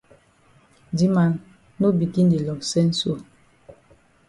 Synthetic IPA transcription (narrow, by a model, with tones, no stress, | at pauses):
di˦ma˨n | no˦bi˨ki˦n˦di˨lɔ˨sɛ˦n̩˦so˦˨